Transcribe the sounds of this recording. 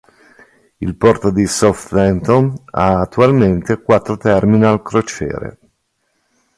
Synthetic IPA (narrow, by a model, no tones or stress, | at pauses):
ḭlpɔrt̪od̪isɔft̪vɛnt̪onaːt̪ːualment̪ekwat̪ːɾot̪ɛrminialkɾot͡ʃɛ̰ːɾḛ